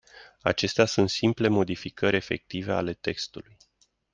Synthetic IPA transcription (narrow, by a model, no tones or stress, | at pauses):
a̰t͡ʃe̞st̪easunt̪simple̞mo̞d̪ifikʰəɾʲe̞fe̞̰k̚t̪ive̞a̰le̞t̪e̞kst̪uluj